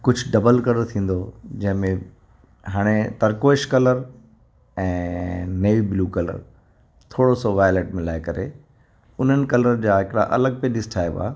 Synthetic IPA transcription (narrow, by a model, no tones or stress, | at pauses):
kʊd͡ʑʱɖɐbəlkɐləɾt̪ʰĩːn̆d̪od͡ʑɐ̃ɦɪ̃mẽ | ɦaːɽ̃et̪ɐɾkoːɪʃkɐləɾ | ɛ̃ːneːibluːkɐlə̰ɾ | t̪ʰoːɽosoʋaːjleːʈmɪlaːɪkɐɾḛ | ʊn̤ənɪ̆kɐlɾənd͡ʑaːɦɪkɪɽa̰ʔɐ̰ləɡ̚peɗɪsɪ̥ʈʰaːeba̰ː